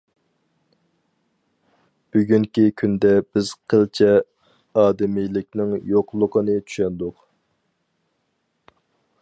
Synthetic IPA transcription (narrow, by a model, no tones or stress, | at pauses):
b̥yɡʲyŋkʲikʲʰynd̪ɛb̥ɪz̥qʰəlt͡ʃʰɛ | ɑːd̪ɪmijlɪk̚ʲnɪŋjoqlˠʊqənɨt͡ʃʰy̥ʃɛnd̪ʊq